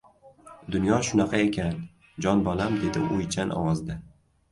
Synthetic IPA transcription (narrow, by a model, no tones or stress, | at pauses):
d̪ʊnjɒʃʊnɑqʰɑe̞kʲan | d͡ʒɒnbɒlamd̪e̞d̪ɪ̰ʊjt͡ʃʰanʔɒ̰wɒzd̪a